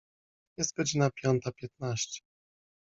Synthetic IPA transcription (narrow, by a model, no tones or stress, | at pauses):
jɛst̪̚ɡɔd͡ʑinapʲjɔnt̪apʲjɛt̪̚naɕt͡ɕɛ̥